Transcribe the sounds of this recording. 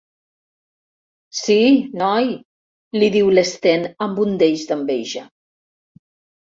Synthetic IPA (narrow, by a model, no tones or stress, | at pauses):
sinɔj | liðiwlest̪enəmbund̪eʎzd̪əmbeʒa